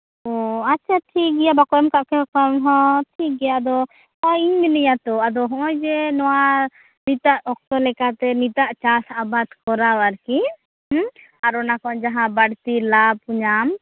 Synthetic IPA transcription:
ɔaʃʰaʈʰikɡɛjabakɔjɔmkaʔkɛɔkɔmɦɔ̃ʈʰik̚ɡɛjaad̪ɔ | ɔjiɲminijat̪ɔad̪ɔɦɔ̃ʔɔjd͡ʒɛnɔwa | nit̪aʔɔk̚t̪ɔlɛkat̪ɛnit̪aʔt͡ʃasabad̪kɔɾawaɾki | aɾɔnakɔʔd͡ʒaɦãbaɽt̪ilab̚uɲam

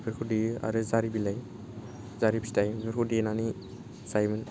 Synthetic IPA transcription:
bʰɯɾkʰudia̰ɾɯzaɾibilaj | zaɾibistajbiɾkʰudinani | zajmɯn

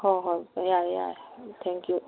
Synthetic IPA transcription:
hɔɦɔjaja̰t̪ʰɛ̃ŋkju

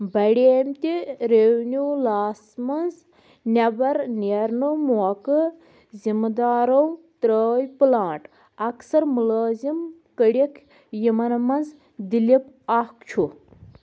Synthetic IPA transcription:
bɐɽeːmt̪iɾewnʲuːlaːsmɐnz | nʲɐbɐɾniɐɾnumuɐkɨ | zimd̪aːɾɐwt̪ɾəːjpɨlãːɳʈ | ɐksɐɾmulaːzim | kəɽikʰ | jimɐnmɐnz | d̪ilipakt͡ʃʰu

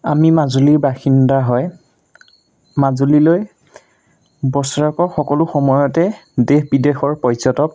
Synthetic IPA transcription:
amimazuliɹbaxindaɦɔj | mazuliloj | bɔsɔɹakɔxɔkɔlʊxɔmɔjɔtɛdehbidexɔɹpɔjzɔtɔk̚

